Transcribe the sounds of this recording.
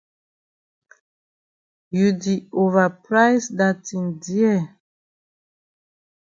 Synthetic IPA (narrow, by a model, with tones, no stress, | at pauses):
ju˨di˨o˨va˨pɾa˦jsda˨ti˨ndiɛ˦˨